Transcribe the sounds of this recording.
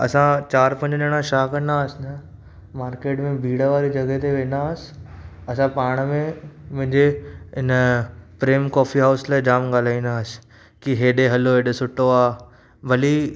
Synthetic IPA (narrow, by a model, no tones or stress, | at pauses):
ɐ̰sãt͡ɕaːɾpɐ̃ɲd͡ʑɗəɽ̃ãʃaːkɐ̃nd̪aːəsɪnɐ | maːɾkeːʈmẽbʱiːɽəʋaːɾid͡ʑɐɡət̪eʋẽːnaːsɪ̥ɐsãpaːɽ̃mẽmʊ̃ɦɪ̃ɲd͡ʑeɪnpɾeːmkɔːfiɦaːʊslaːd͡ʑaːmɠaːl̤aːĩːnd̪aːs | kiɦeːɗeɦɐloɦeːɗesʊʈoaː | ʋɐli